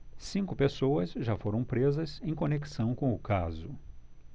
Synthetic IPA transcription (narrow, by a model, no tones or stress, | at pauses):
sĩŋkʊpesowɐsʒafoɾɐ̃w̃pɾezɐzẽj̃koneki̥sɐ̃w̃kõw̃ʊkazʊ